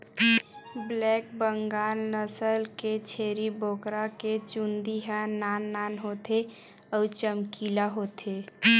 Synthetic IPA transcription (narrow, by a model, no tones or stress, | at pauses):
blɛːk̚bəŋɡaːlnəsəlket͡ʃʰeːɾiboːkɾaket͡ʃund̪iɦənaːnːaːnɦoːt̪e | ɔt͡ʃəmkiːlaɦoːt̪ʰeː